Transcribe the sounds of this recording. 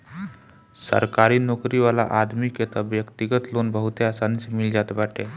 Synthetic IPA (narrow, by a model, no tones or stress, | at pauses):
sə̰ɾkaɾiːnokɾiʋala̰ʔad̪mikjet̪aʋjəkt̪iɡət̪lonbəɦut̪easanismild͡ʑat̪baʈʰe